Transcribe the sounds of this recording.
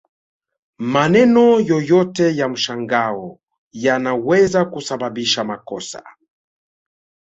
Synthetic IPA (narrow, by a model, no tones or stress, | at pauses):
manɛnɔjɔjɔtɛjam̩ʃaŋɡaɔ | janawɛzakusababiʃamakɔsa̰